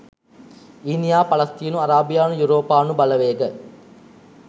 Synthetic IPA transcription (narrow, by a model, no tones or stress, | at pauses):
inijaːpɐlɐst̪iːnuɐɾaːbijaːnujuɾoːpaːnubɐlɐʋeːɡə